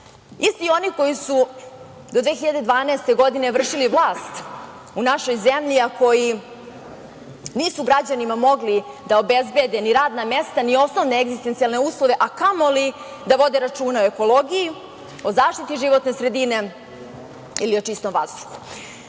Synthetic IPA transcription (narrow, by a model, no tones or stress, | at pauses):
ist̪io̞niko̞jisu | d̪o̞d̪ʋeːxiʎad̪e̞d̪ʋaːnɛːst̪e̞ɡo̞d̪ine̞ʋr̩ʂiliʋlˠaːst̪ | unaʃo̞jzemʎiako̞ji | niːsuɡɾad͡ʑanimamo̞ɡli | d̪aobezbe̞d̪eniɾaːd̪namest̪anio̞snoʋneeɡzist̪ent̪sijalˠne̞uːslˠoʋe̞ʔakamo̞li | d̪aʋo̞d̪eɾat͡ʂuːnaoe̞ko̞lo̞ɡiji | o̞zaːʃt̪it̪iʒiʋo̞t̪ne̞sɾe̞d̪ine̞ | ilio̞t͡ʃist̪omvazd̪uxu̥